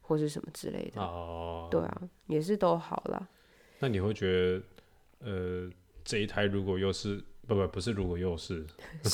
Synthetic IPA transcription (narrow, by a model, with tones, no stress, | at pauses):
xwɔ˥˧ʂɻ̩˥˩ʂə̰˧˦nmʔə˧ʈ͡ʂɻ̩̰˥˧lḛ˥˩ɪd̪ə˩tt̪we˥˩ɪɐ̰˨˩jɛ˨˩ʂ̬ɻ̩˥˩t̪o˥ʊxɑ˨˩ʊlə̰˨˦ | na˥˨ni˨˩xwe˥˩ɪt͡ɕɥɛ˧˥d̪ə˧ | ə˧ | ʈ͡ʂɤ˥˧i˥˩t̪ʰa˧˥ɪɻu˧˥kwɔ˨˩jo˥˧ʊʂɻ̩˥˩˧pə˥˩ma˨˩pu˧˥ʂɻ̩˥˩ɻu˧˥kwɔ˨˩jo˥˧ʊʂɻ̩˥˩